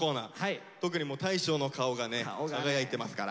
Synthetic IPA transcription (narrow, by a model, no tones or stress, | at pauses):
o̞ːnaːa | t̪o̞k̬ɯ̟ɲ̟imo̞ːt̪aiɕo̞ːno̞kʰao̞ɡanenaɡajait̪e̞masɨ̥kaɾa̰